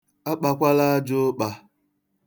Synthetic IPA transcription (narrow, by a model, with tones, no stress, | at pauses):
a˦k͡pa˦kʷa˦la˦d͡ʒʊ˦ɓa˨